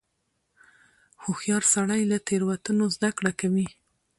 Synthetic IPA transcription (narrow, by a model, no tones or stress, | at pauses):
xuxjɑɾsaɽajlat̪eɾwat̪ənozd̪akɽakawi